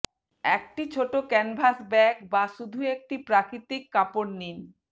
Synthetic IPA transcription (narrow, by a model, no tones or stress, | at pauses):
ɛk̚ʈit͡ɕʰoʈokɛnbʱasbɛkbaʃud̪ʱuek̚ʈipɾakɾit̪ikːaponnin